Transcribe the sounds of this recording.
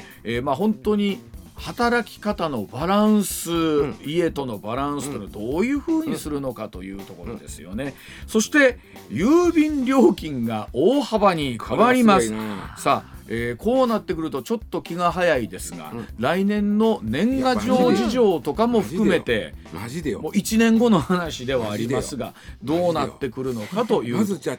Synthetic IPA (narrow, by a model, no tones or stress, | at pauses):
eːmaɦõ̞nt̪o̞ɲ̟i | hat̪aɾakʲi̥kat̪ano̞baɾãɰ̃sɨie̞t̪o̞no̞baɾãɰ̃sɨ̥t̪ead̪o̞ːjɯ̟ːɸɯ̟ːɲ̟isɨɾɯ̟no̞kat̪o̞jɯ̟̰ːt̪o̞ko̞ɾod̪e̞̰sɨjo̞̰ne̞ | so̞ɕi̥t̪e̞ | jɯːbʲĩnɾʲo̞ːkʲĩŋɡaoːhabaɲ̟ikkʰaβaɾʲimasɨ̥saeːko̞ːnat̪ːe̞k̬ɯ̟ɾɯ̟t̪o̞t͡ɕo̞t̪ːo̞kʲiɡaɦajaid̪e̞sɨɡa̰ɾainẽ̞nːo̞nẽ̞ŋɡaʑo̞ːʑiʑo̞ːt̪o̞kamo̞ɸɯ̟kɯ̟me̞t̪e̞ | moːʔit͡ɕinẽ̞ŋɡo̞no̞hanaɕid̪e̞β̞aːɾʲiasɨɡa̰d̪oːnat̪ːe̞kɯ̟ɾɯ̟no̞kat̪o̞jɯ